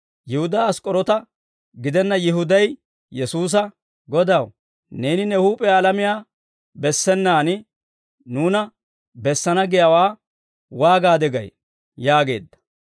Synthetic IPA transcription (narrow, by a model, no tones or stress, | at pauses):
jɪhʊd̪aɐskʼɔɾɔt̪ɐ | ɡɪd̪ɛnːɐjɪhʊd̪ɐj | jɛsuːs̬ɐ | ɡɔd̪ɐw | ne̞ːnɪnɛhuːpʼɛjaːlɐmɪjaː | bɛsːɛnːaːnɪ | nuːnɐ | bɛsːɐnɐɡɪjɐwaː | waːɡaːd̪ɛɡɐ̰j | jaːɡe̞̰ːd̪ːɐ̥